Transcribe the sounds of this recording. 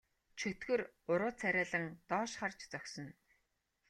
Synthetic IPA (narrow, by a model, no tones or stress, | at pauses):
t͡ɕʰɵt̪ɡɵ̆rʊɾʊːt͡sʰæɾʲæːɮə̆ŋt̪ɔːʃχart͡ɕt͡sœksɞ̆n